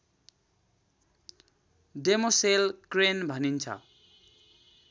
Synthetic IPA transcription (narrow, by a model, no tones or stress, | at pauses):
demoselkrenbʱʌnint͡sʰʌ̰